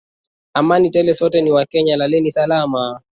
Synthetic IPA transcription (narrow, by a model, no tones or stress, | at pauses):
amanitɛlɛsɔtɛniwakɛɲalalɛnisalama